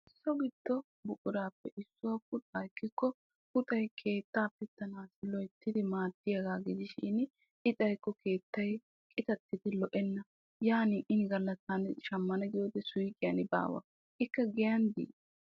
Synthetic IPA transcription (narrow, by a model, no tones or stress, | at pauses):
ɪsːɔɡɪd̪ːɔ | bʊkʼʊd̪aːpːɛʔɪsːʊwɐpʊt̪ʼakːɪkːɔ | pʊt̪ʼɐjkʰe̞ːt̪ːaːpɛt̪ːɐnaːsɪlɔjt̪ːɪd̪ɪmaːt̪ːɪjɐɡaːɡɪd͡ʒ̪ɪʃḭːnɪ | ʔɪt͡sʼɐjkːɔke̞ːt̪ːɐj | kʼɪt̪ɐt̪ːɪd̪ɪlɔʔɛnːɐ | jaːniːʔɪnɪɡɐlːɐtːɐnɪʃɐmːɐnɐɡɪjoːd̪ɛsʊjkʼːɪjɐnɪba̰ːwɐ̰ | ʔɪkːɐɡɛjɐnd̪ḭː